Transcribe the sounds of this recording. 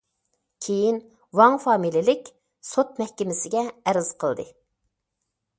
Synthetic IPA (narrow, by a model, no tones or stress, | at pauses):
kʲʰejin | wɑŋfɑːmililɪkʲ | sot̪̚mɛhkʲɪmɪsɪɡʲɛːɾɪz̥qʰəlˠd̪ɨ